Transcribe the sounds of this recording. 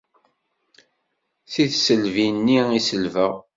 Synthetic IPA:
θiθsəlvinːiisəlvəʁ

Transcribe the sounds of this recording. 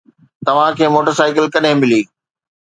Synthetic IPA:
t̪ɐʋ̤ãkʰeːmoːʈəɾsaːɪkəlkɐɗɦẽmɪliː

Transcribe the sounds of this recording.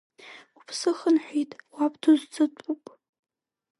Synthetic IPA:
upʰsɨχənħʷᶣitʼwapʰʼtʰuzt͡sʰʼɨtʷʼupʼ

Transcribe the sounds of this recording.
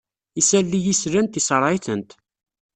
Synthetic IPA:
isælːijisɾænt̪isəɾˤʕɪθənt̪

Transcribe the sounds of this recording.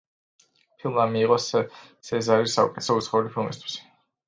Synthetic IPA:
pʰilˠmamiːqʼɔs | sɛzaɾisːaṵkʼɛt̪ʰɛsɔut̪sʰχaulipʰilˠmist̪ʰwi̥s

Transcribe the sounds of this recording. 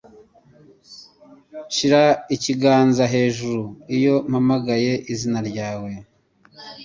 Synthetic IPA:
ʃiɾaiciɡaːnzaɦe̞ːʒuɾuijo̞m̥hamaɡaje̞ʔizinaɾɟaːwe̞

